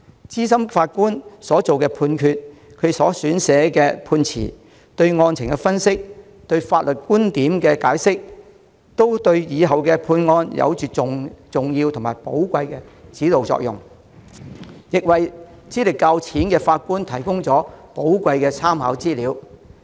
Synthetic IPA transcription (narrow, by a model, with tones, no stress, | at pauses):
t͡siː˥sɐ˥mfaː˧t̚kuː˥nsɔː˨˥t͡so˨wkɛː˧pʰuː˧nkʰyː˧t̚ | kʰɵ˨˧ɥsɔː˨˥syː˨˥nsɛː˨˥kɛː˧pʰuː˧nt͡sʰḭː˨˩ | t̪ɵ˧ɥŋɔː˧nt͡sʰɪ˨˩ŋkɛ˧fɐ˥nsɪ˥k̚ | t̪ɵ˧ɥfaː˧t̚lɵ˨˩t̚kuː˥nt̪iː˨˥mkɛː˧kaː˨˥jsɪ˥k̚ | t̪o˥wt̪ɵ˧ɥjiː˨˧ɦɐ˨wkɛ˧pʰuː˧nŋɔː˧njɐ̰˨˧wt͡ʃyː˨ʊ˨ŋt͡sʊ˨ŋjiː˧wt̪ʰʊ˨˩ŋma̰ː˨˩jpo˨˥wkʷɐ˧jkɛ˧t͡siː˨˥lo˨wt͡sɔ̰˧˥k̚jʊ̰˨˩ŋ | jɪ˨k̚wɐ˨j | t͡siː˥lɪ˨kːa˧wt͡sʰiː˨˥nkɛː˧faː˧t̚kuː˥nt̪ʰɐ˨˩jkʊ˥ŋt͡sɔː˨˥po˨˥wkʷɐ˧jkɛː˧t͡sʰaː˥mha̰˨˧˥wt͡siː˥liː˨˧w